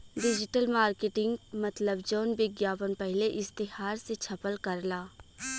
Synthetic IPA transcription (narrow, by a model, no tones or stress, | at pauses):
ɖɪd͡ʒɪʈəlmaːɾkeːʈɪ̃ŋɡmɐt̪ləbd͡ʒɔːnbɪɡjaːpənpɛɦleʔɪst̪ɪhaːɾset͡ʃʰɐpəlkɐɾlaː